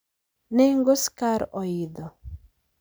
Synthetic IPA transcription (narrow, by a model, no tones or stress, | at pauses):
nɛŋɡoskaɾɔid̪ɔ